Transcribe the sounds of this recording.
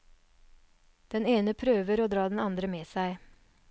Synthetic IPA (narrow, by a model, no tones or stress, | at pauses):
d̪̥ɛneːnəpʰɾøːʋəɾoːd̪ɾɑːd̪n̩ɑnd̪ɾəmeːsæɪ